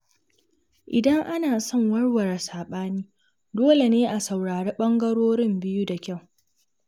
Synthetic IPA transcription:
ʔɪ˨dɐ˦ŋʔa˦naː˨sɔ˦ŋwɐ˦ɽwɐ˨ɾa˨saː˨ɓaː˦niː˦ | doː˦le˨neː˦ʔa˨sɐ˨wɽaː˨ɾeː˦ɓɐ˦ŋɡɐ˦ɽoː˦ɾɪ˦mbɪ˦ju˦da˨kʲa˦˨w

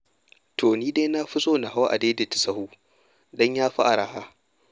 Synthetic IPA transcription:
tʰoː˨niː˦de˦na˦ɸʊ˦sʼoː˦na˨ɦa˦wʔa̰˨deː˦de˨tɪ̥˨sɐ˦huː˦ | dɔ˦ɲjaː˦ɸa˦ʔa˨ɾa˨haː˦

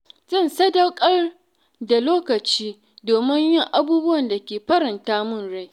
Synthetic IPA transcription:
zɐ˦˨nsɐ˦dɐ˦wkʼɐ˦r | da˨loː˦kɐ˨t͡ʃiː˦ | doː˨mɪ˦ɲjɪ˦˨ŋʔa˦buː˦bʊ˦wɐ˨nda˨kʲeː˨ɸɐ˦ɾɪ˨ntaː˦mʊ˦˨nɽa˦˨

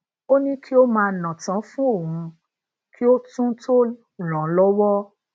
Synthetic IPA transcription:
o˦nĩ˦ki˦o˦mãː˧˦nã˨tã˨˦fũ˦o˦˨hũ˧ | kʰi˦o˦tũ˦tʰo˦ | ɾ̃ã˨lɔ˦wɔ˦

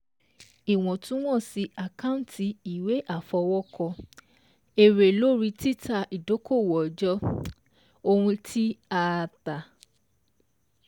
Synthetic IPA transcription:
i˨w̃ɔ̃˨tũ˦w̃ɔ̃˦˨si˧a˨kã˦ũ˦˨tʰi˧i˨we˨˦ʔa˦˨fɔ˧wɔ˦kɔ˧ | e˨ɾe˨lo˦ɾi˧ti˦ta˧i˨do˨˦ko˦˨wɔ˨d͡ʒɔ˦ | o˧hũ˧tʰi˦aː˦˧ta˨

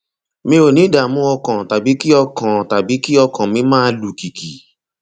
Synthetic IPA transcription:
mĩ˧o˨nĩ˨˦da˨mũ˧˦ɔ˧kã˨ta˨bi˨˦ki˦ɔ˧kã˨ta˨bi˨˦ki˦ɔ˧kã˨mĩ˧˦mãː˦˧˦lu˨ki˨ki˨

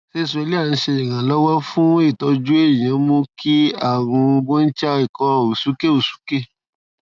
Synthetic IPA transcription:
ʃe˦˨sli˦a˦˨ñ̩˧ʃe˧i˨ɾã˨lɔ˦wɔ˦fũ˦e˦˨tɔ˧d͡ʒu˦e˦˨ɾĩ˨j̃ã˨˦mõ˦kʰi˦a˦˨ɾ̃ũ˧ɡõ˦n̩˦t͡ʃa˦i˦˨kɔ˨˦˨o˨su˨˦ke˦o˨su̥˨˦ke˦˨

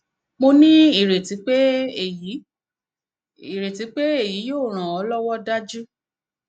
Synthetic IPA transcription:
mo˧nĩ˦i˦˨ɾe˨ti˨˦k͡pe˦e˨ji˨˦ | i˨ɾe˨ti˨˦k͡pe˦e˦˨ji˨˦joː˦˨ɾ̃ã˨ɔ˨˦lɔ˦wɔ˦da˦d͡ʒu˦

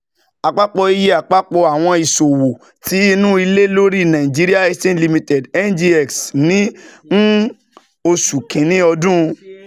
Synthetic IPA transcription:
a˨k͡pa˦k͡pɔ˧i˧ji˦a˨k͡pa˦k͡pɔ˧a˨w̃ɔ̃˧i˨so˨wo˨ | ti˨˦i˧nũ˦i˧le˦lo˦ɾi˦˨nã˨ĩ˨d͡ʒi˦ɾi˦a˦ɛ˧stɛ̃˦nli˧mĩ˧tɛ˨dɛ˦nd͡ʒi˧ɛ˨ksnĩ˨˦n̩˦ | o˧su˨kĩ˨nĩ˦ɔ˧dũ˦˧

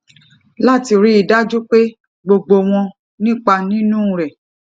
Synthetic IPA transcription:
la˦˨ti˧ɾi˦i˨da˦d͡ʒu˦k͡pe˦ | ɡ͡bo˧ɡ͡bo˧w̃ɔ̃˧ | nĩ˦k͡pa˧nĩ˦nũ˦˨ɾɛ˨

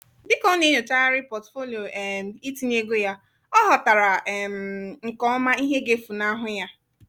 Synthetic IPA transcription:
dɪ˦kɔ˦ne˦ɲo˨t͡ʃa˦a˦ɾɪ˦pɔ˨tfo˦li˨o˨ɛ˨m̩˨i˦ti˨n˦e˦ɡo˦ja˦ | ɔ˦ɦɔ˨ta˨ɾa˨m̩˨ŋ̩˨kɔ˨˦ɔ˦ma˦i˦ɦe˦ɡe˦fu˨na˦ɦʊ˦ja˦

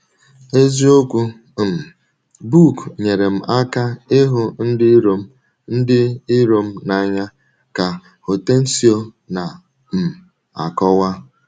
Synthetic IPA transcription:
e˦zi˦o˦kʷu˦˨ | bu˦˨kɲe˨ɾe˨m̩˨a˦ka˦ɪ˦ɦʊ˨n̩˦dɪ˦ɾo˦m̩˦ | n̩˦dɪ˦ɪ˦ɾo˦m̩˦na˦˨ɲa˦ | ka˨ | hʊ˨te˦n̩˦si˦o˦ | na˨ | m̩˨ | a̰˨kɔ˦wa˦

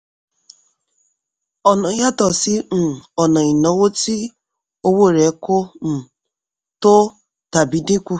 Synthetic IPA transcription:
ɔ˨nɔ˨ja˦tɔ˨sɪ˦n̩˨ɔ˨nɔ˨i˨no˨wo˦ti˦ | o˦wo˦˨ɾe˨˦kʊ˦n̩˨ | tʊ˦ | ta˨bi˨di˦kʷu˦

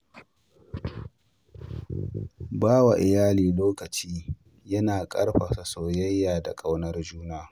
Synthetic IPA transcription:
baː˦wa˨ʔɪ˨jaː˦liː˨loː˦kɐ˨t͡ʃiː˦ | jɐ˦naː˨kʼɐ̰˦rɸa˨sa˨soː˨jɐ˦jːaː˨da˨kʼɐ˦wnɐ˦rd͡ʒuː˦naː˦

